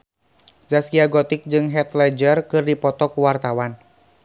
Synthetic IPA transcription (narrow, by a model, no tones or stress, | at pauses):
zaskiaɡɔt̪ɪk̚d͡ʒɨŋɦɛt̪lɛd͡ʒərkɨrdipɔt̪ɔkuwart̪awan